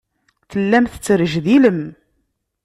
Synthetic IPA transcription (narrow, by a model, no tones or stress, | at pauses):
θəlːæmθət͡sːəɾəʒðiləm